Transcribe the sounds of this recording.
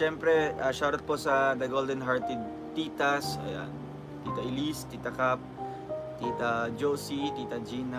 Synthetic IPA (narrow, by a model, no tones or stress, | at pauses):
ʃɛmpɾɛʔaʃaɾɐt̪̚posɐd̪ɐɡold̪ɛnɦaɹt̪ɪd̪̚ | t̪iːt̪asɐ̰ja̰n | t̪iːt̪ɐʔɪlist̪iːt̪ɐkap̚ | t̪iːt̪ɐd͡ʒoːsit̪iːt̪ɐd͡ʒina